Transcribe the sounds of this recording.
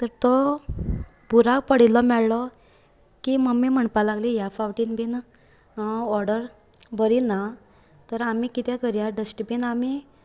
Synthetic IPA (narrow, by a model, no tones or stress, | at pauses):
t̪əɾt̪ɔ | bʱuɾak̚pəɽ̤ilɔmɛɭlɔ | kiməmim̤əɳpalaɡlijafawʈinbin | ɔɾɖəɾ | bʱəɾina | t̪əɾamikit̪ɛ̃kəɾjaɖəsʈibinami